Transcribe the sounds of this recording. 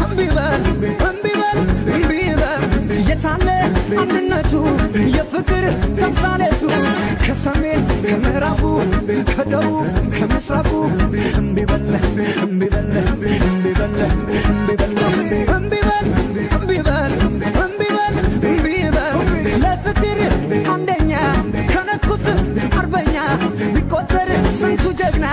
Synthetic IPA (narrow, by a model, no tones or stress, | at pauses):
ɨmbibəlɨmbiβəlɨmbbəljɛt̪alːəand̪ɨnːət͡ʃːujɛfɨkʼɨɾt̪ʰəmsʼalət̪ukʰəsəmenkʰəməhɾafukʰəd̪əɾukʰəmɨsɾafuɨmbibəlɨmbibəlɨmbibəlɨmbibəlmɨnbibəl | ɨmbibəlmɨnbiβəlɨmbibəllət̪ɨt̪ɨɾʔand̪əɲːakʰənəkːut̪aɾbəɲːabikʼːot̪ʼːəɾsənt̪ud͡ʒəɡna